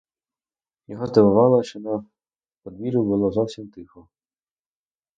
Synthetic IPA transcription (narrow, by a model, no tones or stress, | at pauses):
jɔɦɔzd̪ɐʋʊʋɑlˠɐʃt͡ʃɔnɐ | pɔd̪ʋʲiɾʊbʊlˠɔzɔwsʲimt̪ɪxɔ